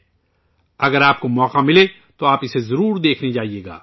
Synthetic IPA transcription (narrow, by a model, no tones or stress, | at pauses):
ɐɡəɾaːp̚komɔːqamɪle | t̪oaːpɪsezɐɾuːɾd̪eːkʰned͡ʒaːɦieːɡa̰ː